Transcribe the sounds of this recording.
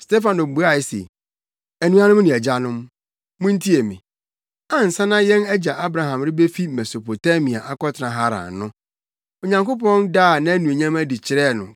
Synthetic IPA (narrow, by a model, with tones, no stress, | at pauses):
ste˦fã˨nõ˨m̩˨bu˨˦a˦˨ɛ˨˦sḛ˨ | æ˨nũ˨a˦nʊ̃˦mnɪ̃˨ɛ˨d͡ʑa˦nʊ̃˦m | mʊ̃˦n̩˦tʰi˦e˨mɪ̰̃˨ | ã˦n̩˨sã˦nã˦jɛ̃˦nɛ˦d͡ʑa˨ʔa˦bɾa˨ɦã˨mɾɪ˦be˦fi˦mɛ˨so˨pʰo˨ta˦mĩ˨a˨ʔa˦kɔ˦tʰɪ˨nã˨ɦa˦ɾã̰˨nʊ̃˦ | o˨ɲã˨ŋko˦pɔ̃˦ndaː˦˨nã˦æ˦nũ˨e˨ɲã˦mæ˦di˨t͡ɕʰɪ˨ɾɛ˦˨nʊ̰̃˨